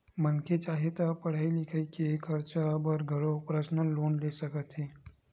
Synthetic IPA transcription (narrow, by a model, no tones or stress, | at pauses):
mənket͡ʃaɦet̪apəɽ̤ajlikʰəjkiekʰəɾt͡ʃabəɾɡʱəɽopɾəsnəlonlesəkət̪ɦe